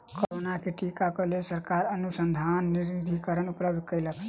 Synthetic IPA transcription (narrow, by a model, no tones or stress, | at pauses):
koɾonakeʈikakolesəɾkaɾənusənd̪ʱanːiɾid̪ʱikəɾənupləbd̪ʱkəjləkʰ